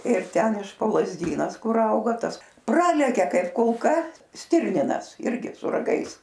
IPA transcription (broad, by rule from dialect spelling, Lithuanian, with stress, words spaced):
ɪr ˈtʲɛn ɪʃ poː lˠɐzʲˈdʲiːnɐs ˈkʊr ˈɐʊɡɐ ˈtɐs ˈprɑːlʲɛkʲɛ ˈkɐɪp kʊlˠˈkɐ ˈsʲtʲɪrʲnʲɪnɐs ˈɪrʲɡʲɪ sʊ rɐˈɡɐɪs